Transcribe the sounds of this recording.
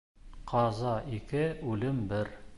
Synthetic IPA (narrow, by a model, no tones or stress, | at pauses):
qʰɑzɑʔikɘʉlɘmbɘɾ